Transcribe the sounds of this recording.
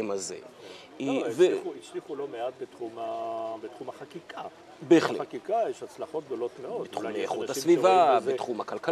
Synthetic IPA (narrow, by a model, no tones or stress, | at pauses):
mazḛ | iveiʃiχulomeat̪̚bet̪χumabet̪χumaχakikʰa | beːχlḛakikajeʃat͡slaχot̪̚ɡ̚d̪olo̞t̪meodbet̪χumejeχuthasvivabetχumakalka